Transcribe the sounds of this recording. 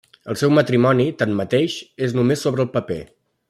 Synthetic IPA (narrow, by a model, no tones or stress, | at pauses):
əlˠsɛwmət̪ɾimɔnit̪anmət̪eʃeznumesːoβɾəːlˠpəpḛ